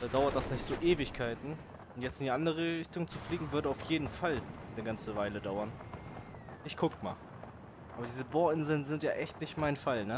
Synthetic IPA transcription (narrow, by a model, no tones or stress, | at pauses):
d̥aːdaʊɐt̚d̥asnɪçtz̥oːʔeːvɪçkʰaɪtn̩ | ʊntjɛt͡stɪndiʔandəʁəʁɪçtʊŋt͡sufliːɡŋ̩vʏɐdəaʊfjeːdn̩falanəɡant͡səvaɪlədaʊɐn | ʔɪçkʰʊkma̰ːl | ʔaːbɐdiːzəboːɐɪnzl̩nzɪntjaːʔɛçtnɪçtmaɪnfalnə